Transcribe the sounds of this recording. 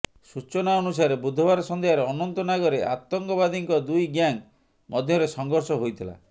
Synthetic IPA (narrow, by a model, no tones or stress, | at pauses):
sut͡ʃɔnaɔnusaɾebud̪ʱːɔbaɾɔsɔnd̪ejaɾeɔnɔnt̪ɔnaɡɔɾeʔa̰t̪ːɔŋkɔbad̪iŋkɔd̪ujɡjaŋ | mʔɔd̪ʱjɔɾesɔŋɡɔɾsɔɦojt̪ʰila̰